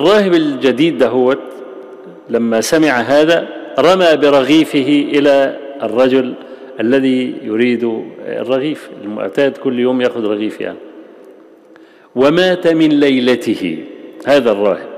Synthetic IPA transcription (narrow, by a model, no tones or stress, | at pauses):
ʔɑrˤːɑːhɪbɪld͡ʒad̪iːd̪ːaɦʊwa | lamːasamɪʕaɦaːðaɾˤɑmaːbɪɾˤɑɣiːfɪɦɪʔɪlaʔɪrˤːɑd͡ʒʊl | ʔalːaðijʊɾiːd̪ʊɪ̰rˤːɑɣiːfɪ̰lmʊ̰ʕt̪aːd̪kʊlːjoːmjaʔxʊd̪ɾˤɑɣiːfja̰ni | wɪmaːt̪amɪnlajlat̪ɪhɪ̰haːðarˤːɑ̰ːhɪb̚